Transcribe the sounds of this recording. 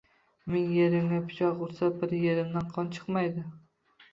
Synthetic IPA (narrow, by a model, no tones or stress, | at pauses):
mɪŋjeɾɪmɡʲapʰɪ̥t͡ʃʰɒʁʊɾsabɪɾjeɾɪmd̪anqʰɒnt͡ʃʰɨ̥qmajd̪ɪ